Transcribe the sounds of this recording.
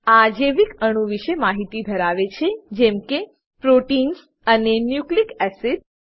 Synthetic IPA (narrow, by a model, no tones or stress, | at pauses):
ad͡ʒeʋikəɽ̃ũʋiʃemaɦit̪ib̪ʱəɾaʋet͡ʃʰed͡ʒɛmke | pɾoʈins | ənenjuklikɛsiʈ